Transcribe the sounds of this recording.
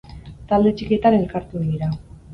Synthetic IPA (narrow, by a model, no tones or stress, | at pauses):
t̪ald̪e̞t͡ʃiket̪ane̞lkaɾt̪uðiɾa